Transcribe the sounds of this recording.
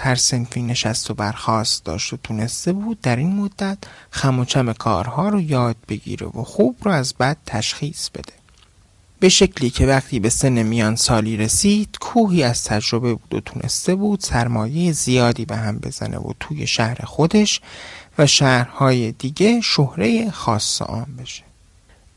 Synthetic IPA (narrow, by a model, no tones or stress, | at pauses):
hæɾse̞nfiːne̞ʃæst̪o̞bæɾxɒːst̪d̪ɒ̰ːʃt̪ot̪ʰune̞st̪e̞buːd̪̚ːæɾiːnmod̪ːæt̪ʰxæmot͡ʃʰæmekʰɒ̰ːɾhɒːɾɔːjɒːd̪̥̚be̞ɟḭːɾe̞̰voxuːbɾɔːæzbæd̪̥̚t̪ʰæʃxiːsb̥e̞̰d̪̥e̞ | b̥e̞ʃe̞cʰliːcʰe̞væqt̪ʰiːbe̞se̞nːe̞mijɒːnsɒːliːɾe̞siːd̪̥kʰuːɦiːæz̥t̪ʰæd͡ʒɾo̞be̞buːd̪o̰t̪ʰuːnʔḛst̪e̞buːd̪̥sæɾmɒːje̞jezijɒːd̪iːbe̞ɦæmbe̞̰zæ̰nʔḛvo̰t̪ʰuːje̞̰ʃæhɾe̞̰xo̞d̪e̞ʃvæʃæːɾhɒːjed̪iːɟe̞ʃohɾe̞jexɒːsːḛʔɒ̰ːmbe̞ʃe̥